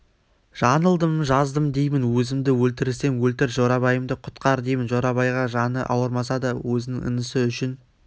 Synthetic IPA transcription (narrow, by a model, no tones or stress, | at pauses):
ʒ̥ɑnəlˠd̪əmʒɑzd̪əmd̪ejmɪnwɵzɪmd̪ɪwɵlt̪ɪɾɪse̞ŋwɵlt̪ɪɾʒoɾɑbɑjəmd̪əqʰʊ̥t̪qɑɾd̪ejmɪnʒoɾɑbɑjʁɑʒɑnə̰ʔɑwəɾmɑsɑd̪əwɵzɪnɪŋə̰nəsəʏʃɪn